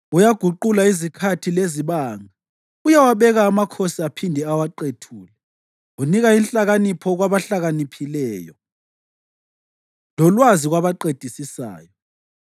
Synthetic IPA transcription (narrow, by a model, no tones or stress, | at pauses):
ujaɡ̥ʱuǃulaizikʰatʰileziβaːŋa | ujawaβɛɣaːmakʰosiapʰindʱɛawaǃetʰuːlɛ | uniɣainɬaɣanipʰɔɣwaβaɬaɣanipʰilɛːjɔ | lɔlwaziɣwaβaǃed̥ʱisisa̰ːjɔ